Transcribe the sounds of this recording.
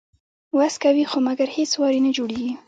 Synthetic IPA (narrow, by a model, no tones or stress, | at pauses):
waskawixomaɡaɾhet͡swɑɾinad͡ʒoɽeɡi